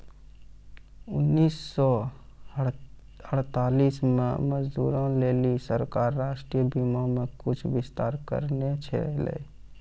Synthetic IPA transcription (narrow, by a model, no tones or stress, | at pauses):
ʊnːiːsːɔ | əɽ̤t̪aːliːsmḛ̃məd͡ʒd̪ṵːɾõleːlisəɾkaːɾːaːʃʈɾiːjəbimamẽkʊt͡ʃʰʋɪst̪aːɾkə̰ɾnet͡ʃʰḛlḛ